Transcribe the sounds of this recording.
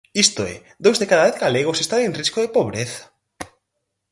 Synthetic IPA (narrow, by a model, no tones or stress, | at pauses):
ist̪oɛ̰ | d̪owzðekaðaβeθɡaleɣ̞osest̪aŋeŋriskoðepoβɾeθḁ